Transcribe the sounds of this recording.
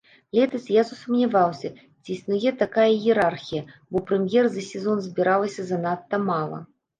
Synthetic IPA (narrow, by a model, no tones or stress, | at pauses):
lʲɛt̪ɐsjasusumnʲavawsʲɐ | t͡sʲiːsnujɛt̪akajɐjɛɾarxʲijɐbɔpɾɛmʲjɛrzɐsʲɛzɔnzʲbʲiɾalˠɐsʲɐzɐnat̪ːɐmalˠɐ̰